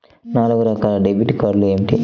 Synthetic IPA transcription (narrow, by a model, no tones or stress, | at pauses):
naːluɡuɾɐkaːlɐɖebjuʈikaːɾlueeːmiʈḭ